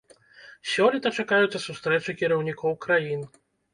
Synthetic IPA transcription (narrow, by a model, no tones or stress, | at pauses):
sʲɔlʲit̪ɐt͡ʂakajut̪sʲɐsust̪ɾɛt͡ʂɨkʲiɾɐwnʲikɔwkɾajin